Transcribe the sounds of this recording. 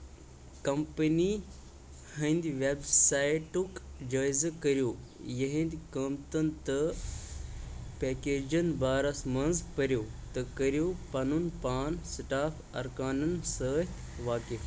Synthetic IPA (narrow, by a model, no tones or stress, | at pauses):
kɐmpəni | hɐ̃nd̪iʋebsaːiʈukd͡ʒaːjzkɐɾijoːjɐɦĩnd̪ʲkəmt̪ɐnt̪ɐ | peːkeːd͡ʒɐnbaːɾɐsmɐnzpɐɾjoːt̪ɐkɐɾjoːpɐnunpaːnsʈaːfʰ | ɐ̰ɾkaːnɐnsəːt̪ʰ | ʋaːkif